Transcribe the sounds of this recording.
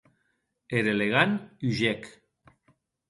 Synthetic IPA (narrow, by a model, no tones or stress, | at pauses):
eɾeleɣanyʒek